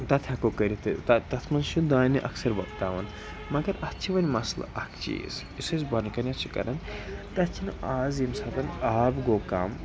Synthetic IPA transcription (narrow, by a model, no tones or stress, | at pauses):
t̪ɐt̪ʰɐkokɐɾit̪ʰɨt̪ɐt̪ɐt̪ʰmɐnʃud̪aːniʔɐ̰ksɐɾʋɐkt̪aːʋɐn | mɐɡɐɾɐt͡ʃʰiʋɐnʲmɐslɐ̰ʔɐkʰt͡ʃḭs | isɐzbɐnkɐnʲɐt͡ʃʰikɐ̰ɾɐnt̪ɐt̪t͡ʃʰinʔaːzimsaːt̪ɐnaːbɡoka̰ːm